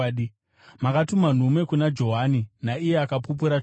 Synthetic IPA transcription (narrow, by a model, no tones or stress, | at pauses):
i | makatuman̤umwe̞kunad͡ʒo̞ɦaninaije̞akapup̬uɾa